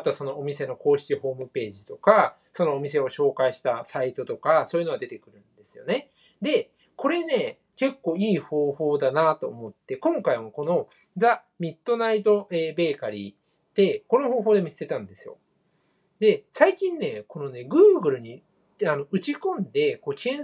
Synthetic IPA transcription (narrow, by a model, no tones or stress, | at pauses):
at̪o̞aso̞no̞ʔomʲise̞no̞ko̞ːɕi̥t͡ɕiho̞ːmɯ̟pe̞ːʑit̪o̞ka | so̞no̞ːmʲis̬e̞o̞ɕo̞ːkaiɕi̥t̪asait̪o̞t̪o̞kasoːjɯnoad̪e̞t̪e̞̥kɯ̟ɾɯ̟̃nd̪e̞sɨjo̞̰ne̞ | d̪e̞ | ko̞ɾe̞ne̞ | ke̞kːo̞ːiːho̞ːho̞ːd̪anat̪o̞ːmo̞t̪ːe̞kõ̞ŋkaimako̞no̞ | d͡za | mʲit̪ːo̞nait̪o̞ʔe̞ːbe̞ːkaɾʲḭ | d̪̥e̞ko̞no̞ɦo̞ːɦoːd̪e̞mʲise̥t̪e̞t̪ãnd̪e̞sɨjo̞̰ | d̪e̞saikʲĩnːe̞ko̞no̞ne̞ɡɯ̟ːɡɯ̟ɾɯ̟ɲ̟i | ano̞ɯ̟t͡ɕikõ̞nd̪e̞ko̞ːkʲiẽ